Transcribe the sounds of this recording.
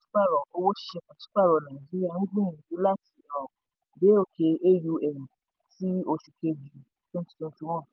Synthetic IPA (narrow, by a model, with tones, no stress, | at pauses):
tu̥˦k͡pa˦˨ɾɔ˨o˧wo˦ʃi̥˦ʃe˧kã˨tu̥˦k͡pa˦˨ɾɔ˨nã˨i˨d͡ʒi˦ɾi˦a˦˨nĩ˦dĩ˦ĩ˨nĩ˨ju˨˦la˦ti˨˦˨ɾã˨ | be˨˦o˦˨ke˧e˦ju˧ɛ˨nĩ˨ | ti˦o˧ʃu˧ke˧d͡ʒi˨˦tũ˦tu̥˦tũ˧˦tũ˧˦w̃ɔ̃˦˨